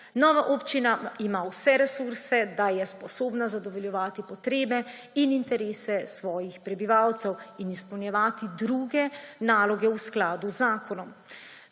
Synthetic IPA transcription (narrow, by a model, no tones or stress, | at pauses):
nɔːʋaʔoːpt͡ʃinaimawsɛɾɛsuɾsɛd̪ajɛspɔsoːbnazad̪ɔʋɔljɛʋaːt̪ipɔt̪ɾeːbɛinint̪ɛɾeːsɛsʋɔːjixpɾɛbiʋawt̪sɛwinispɛwnjɛʋaːt̪id̪ɾuːɡɛnaːlɔɡɛwsklaːd̪uzːaːkɔnɔm